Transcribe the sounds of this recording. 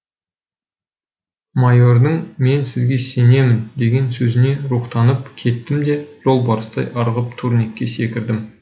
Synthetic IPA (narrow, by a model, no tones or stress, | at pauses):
majo̞ɾd̪əɴme̞nsɪzɡʲe̞se̞ne̞mɪnd̪e̞ɡʲe̞nsɵzɪne̞ɾuqt̪ɑnəpkʲʰe̞t̪ːɪmd̪e̞ʒ̥o̞lˠbɑɾəst̪ɑjʔɑɾʁəp̚t̪ʰuɾne̞kʲːe̞se̞kʲɪɾd̪ɪm